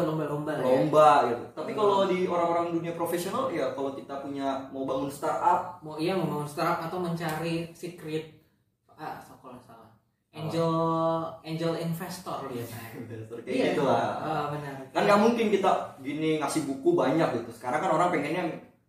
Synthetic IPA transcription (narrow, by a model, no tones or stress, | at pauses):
lombalombalombaɡit̪ut̪apikalodioɾaŋoɾaŋduniapɾofesionaljakalowkit̪apuɲamaubaŋunst̪arap̚maijaməŋaŋʊnst̪aɾap̚at̪awməɲt͡ʃaɾisikɾɪt̪̚ | əsokolasala | eɲd͡ʒəl | eɲd͡ʒəlinfɛst̪ɔriinfst̪ɔrkeit̪uaəbənərkanjaŋmuŋkɪnkit̪aɡiniŋasɪhbukubaɲak̚ɡit̪usə̥kaɾaŋkanoɾaŋpeŋɛnaŋ